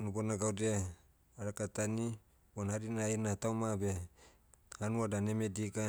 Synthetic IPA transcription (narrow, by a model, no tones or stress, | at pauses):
nubonaɡawdea | aɾakat̪ani | bonhaɾinainat̪awmabe | hanuadanemediɡa